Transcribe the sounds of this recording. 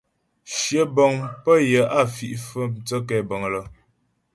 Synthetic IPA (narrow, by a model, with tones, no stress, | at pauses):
ʃjə˨˦bɔ˨ŋpə˦jə˨˦a˦˨fi˨ʔfə˦t͡sə˦kɛ˨bə˨ŋ˨lə˨